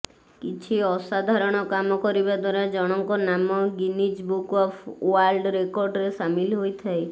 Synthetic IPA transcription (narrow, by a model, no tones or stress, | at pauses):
kit͡ʃʰiɔsad̪ʱaɾɔɽ̃ɔkamɔkɔɾibad̪waɾad͡ʒɔɽ̃ɔŋkɔnamɔɡinid͡ʒbukɔpʰuwalɖɾekɔɾɖɾesamilɦojt̪ʰaj